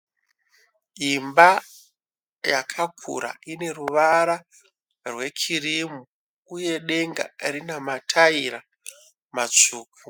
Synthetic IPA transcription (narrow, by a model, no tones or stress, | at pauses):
imba | jakʰakʰṵɾa̰ine̞ruʋaɾa | rwe̞kʰirimu | uje̞ɗe̞ŋɡa̰rinamatʰaiɾa | mat͡ʂuːku